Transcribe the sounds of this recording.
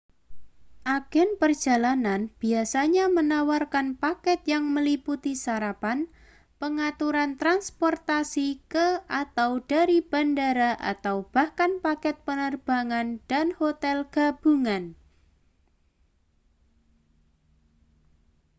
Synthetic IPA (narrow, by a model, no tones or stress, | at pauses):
ʔaɡ̥ɛnpərd̥d͡ʒ̥a̤lananb̥iasaɲamənawarkanpakɛt̪̚jaŋməliput̪isaɾapan | pəŋat̪uɾant̪ɾanspɔrt̪asikəat̪awd̥aɾib̥a̤ndaɾaʔa̰t̪awb̥a̤hkanpakɛt̪̚pənərb̥aŋand̥anhot̪ɛlɡ̥a̤b̥uŋan